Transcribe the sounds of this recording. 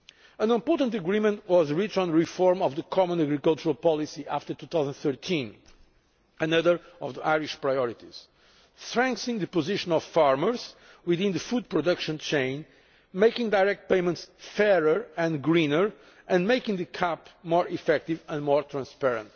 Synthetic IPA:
ə̃nɪ̃mpɔɹtə̃nt̪əɡɹimə̃nt̪wɔzɹit͡ʃɔ̃nɹifɔɹmɔvðɨkʰɔmə̃naɡɾikʌlˠt͡ʃuɹalˠpɔlˠisiʔaft̪ə˞t̪uθawzə̃nd̪θɜɹt̪ʰĩn | ənʌðə˞ɔvðiʔajɹiʃpɹajɔɹit̪iz̥ | sɹɛ̃ŋkθɪ̃ŋðɨpɔziʃə̃nɔv̥faɹməɹz | wiðĩnðɨfud̪̚pɹɔd̪ʌkʃə̃nt͡ʃẽɪ̃n | mejkĩŋd̪ajɹɛk̚t̪̚peɪmə̃nt̪sfɛɹə˞ɨ̃nɡɹĩnə˞ | ɨ̃nmeɪkɪ̃ŋðɨkʰapmɔɹʔifɛk̚t̪ivə̃nmɔɹt̪ɾãnspɛɹə̰̃nt̪

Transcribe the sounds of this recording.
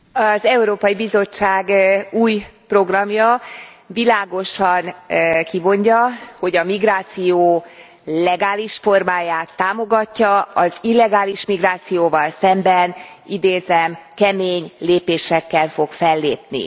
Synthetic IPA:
ɒzɛuɾoːpɒjibizo̞t͡ʃːaːɡuːjpro̞ɡrɒmjɒ | vilaːɡo̞ʃɒnkimo̞ɲɟɒho̞ɟɒmiɡraːt̪sijoː | lɛɡaːliʃfo̞rmaːjaːt̪ːaːmo̞ɡɒcːɒɒzilːɛɡaːliʃmiɡraːt̪sijoːvɒlsɛmbɛnid̪eːzɛmkɛmeːɲleːpeːʃɛkːɛlfo̞kfɛlːḛːpnḭ

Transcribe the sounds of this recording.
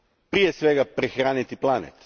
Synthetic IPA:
pɾijesʋeɡapɾexɾaːnit̪iplˠanḛt̪

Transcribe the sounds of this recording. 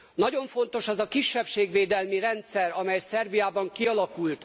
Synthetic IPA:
nɒɟo̞ɱfo̞nt̪o̞ʃɒzɒkiʃːɛpʃeːɡʋeːd̪ɛlmiɾɛnt̪sɛɾɒmɛjsɛrbijaːbɒŋkiɒlɒkult̪

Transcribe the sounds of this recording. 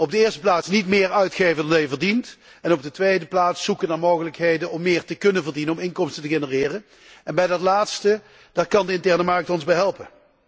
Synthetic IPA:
ɔb̚dəɪːɹstə̥plaːtsnitmɪːɹœɥtxejvəndɑndɛjəvəɹdint | ɛnɔb̚dətʋejdəplaːtsːukədanmoːɣələkɦejdənɔmːɪːɹtəkɵnənvəɹdinənɔmɪnkɔmstəntəɣenərɪːrə | ɛnbɛjdɑtlaːtstə | d̥aːtkɑndəɪntɛɹnəmɑɹk̚tɔnzbɛjɦɛlˠpə

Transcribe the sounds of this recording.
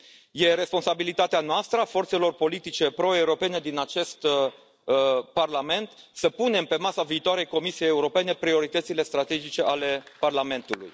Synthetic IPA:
je̞ɾe̞spo̞nsabilit̪at̪eanoast̪ɾəafo̞rt̪selo̞rpo̞lit̪it͡ʃe̞pɾo̞e̞uɾo̞pe̞ne̞d̪inat͡ʃe̞st̪ | parlame̞nt̪ | səpune̞mpe̞masaviːt̪oaɾe̞jko̞misijejeuɾo̞pe̞ne̞pɾio̞ɾit̪ət̪sile̞st̪ɾat̪e̞d͡ʒit͡ʃe̞ʔale̞parlame̞nt̪ulṵj

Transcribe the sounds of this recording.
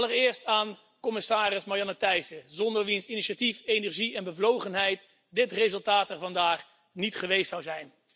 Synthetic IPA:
lˠərɪːɹstaːn | kɔmɪsaːrɪsmajɑnətɛjsəzɔndəɹʋinsiniʃatifejnɛɹʒiɛnbəvlowχənɦɛjt | dɪtrezɵlˠtaːtɛɹvɑndaːχ | nitχəʋejstsɑwzɛjn

